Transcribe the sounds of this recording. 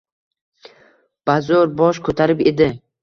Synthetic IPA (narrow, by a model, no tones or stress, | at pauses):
b̥azɒɾbɒʃkʰot̪ʰaɾɪped̪ɪ